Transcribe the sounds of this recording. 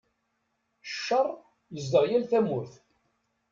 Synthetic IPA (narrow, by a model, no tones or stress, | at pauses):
ʃːərˤː | jəzd̪əʁjælθæmʊɾθ